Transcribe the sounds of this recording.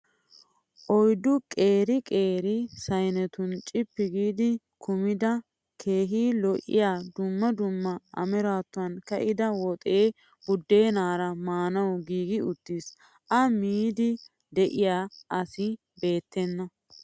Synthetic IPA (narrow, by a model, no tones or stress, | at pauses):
ʔɔjd̪ʊkʼe̞ːɾɪkʼe̞ːɾɪsɐjnɛt̪ʊnt͡ʃʼɪpːɪɡiːd̪ɪ | kʰʊmɪd̪ɐ | kʰe̞ːɦiːlɔʔɪ̰jaːd̪ʊmːɐd̪ʊmːɐʔɐ̰mɛɾaːt̪ːʊɐnkɐʔɪd̪ɐwɔt̪ʼeː | bʊd̪ːe̞ːnaːɾɐmaːnɐwɡiːɡɪʊt̪ːis | ʔɐmiːd̪ɪ | d̪ɛʔɪjaːɐsɪ | be̞ːt̪ːɛnːɐ